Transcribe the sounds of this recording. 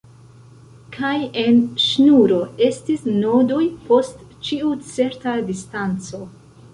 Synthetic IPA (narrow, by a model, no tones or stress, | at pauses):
kʰajenʃnuɾo̞e̞stisno̞dojpʰo̞st | t͡ʃiut͡se̞ɾtadistant͡so̞